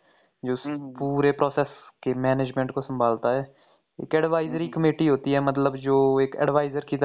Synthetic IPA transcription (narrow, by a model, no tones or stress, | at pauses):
d͡ʒoːspuːɾepɾɔːsɛːskemɛːned͡ʒmẽɳʈkosə̃mbʱaːlt̪aɦɛː | ɪ̰kɛːɖʋaːɪzəɾikəmeːʈiɦoːt̪iɦɛːmət̪̬ləbd͡ʒoːekɛ̰ɖʋaːɪzəɾkiːt̪